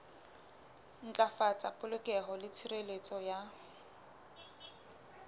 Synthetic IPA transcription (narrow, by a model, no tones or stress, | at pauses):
n̩t͡ɬʼafat͡sʼapʼʊlʊkʼɛɦɔlɪt͡sʰirelet͡sʼɔja